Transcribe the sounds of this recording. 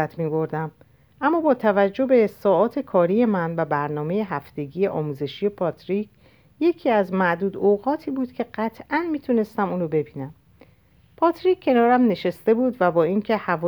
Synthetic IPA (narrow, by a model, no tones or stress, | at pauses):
æt̪ʰmiːbo̞ɾd̪æm | ʔæmːɒːbɒːt̪ʰævæd͡ʒːo̞be̞ːsɒːʔɒːt̪ʰe̞kʰɒːɾije̞mænvæbæɾnɒːme̞je̞ɦæft̪e̞ɟiːje̞ʔɒːmuːze̞ʃije̞pʰɒt̪ʰɾicʰ | je̞cʰiːæzmæʔd̪uːd̪oɣɒːt̪ʰiːbuːd̪̥cʰe̞ɢæt̪ʰʔænmiːt̪ʰune̞st̪æmuːnɾobe̞biːnæm | pʰɒːt̪ʰɾikʲʰːe̞nɒːɾæmne̞ʃest̪e̞buːd̪væbɒːiːncʰe̞hævː